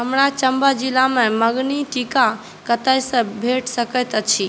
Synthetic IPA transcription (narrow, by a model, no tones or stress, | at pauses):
ɦəmɾat͡ʃəmbəd͡ʒilamẽməɡniʈika | kət̪əjsə̃bʱeʈsəkət̪ət͡ʃʰi